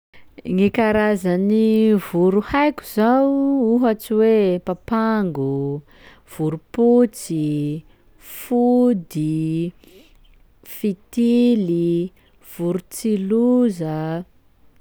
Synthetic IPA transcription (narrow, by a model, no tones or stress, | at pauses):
ŋikaɾazanivuɾuhajku̥zawuɦat͡siwepapaŋɡu | v̥uɾuput͡si | fud̪i | fit̪ili | v̥uɾut͡siluzə